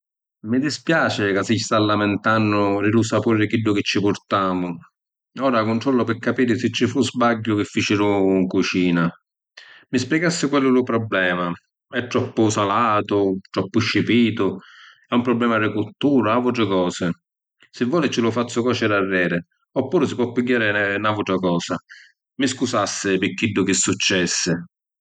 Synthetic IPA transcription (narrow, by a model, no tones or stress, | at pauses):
mɪd̪ispjaːt͡ʃɪkasist̪alːamɪnt̪anːʊɾɪɾusapurːɪkiɖːʊkɪt͡ʃːɪpʊɾt̪aːmʊ | ɔːɾakʊnʈ̪ɾɔlːʊpɪkːapiːɾɪsɪt͡ʃːifuzbaɟːʊk̟ɪfːit͡ʃɪɾuŋkut͡ʃiːna | mɪspjɛɡasːɪkwɛlːʊlʊpɾɔblɛːma | ɛt̪ːɾɔpːʊsalaːt̪ʊt̪ɾɔpːʊʃːɪpiːt̪ʊ | ɛumpɾɔbːlɛːmarɪkult̪uːɾaavuʈɾɪkɔːsɪ | sɪvːɔːlɪt͡ʃɪlʊfat̪sːʊkɔːt͡ʃɪɾarːɛːɾɪ | ɔpːuːɾɪsɪpwɔpːɪɡːaːɾɪnavuʈɾakɔːsa | mɪskusasːɪpɪkːiɖːʊk̟ɪsːut͡ʃːɛsːɪ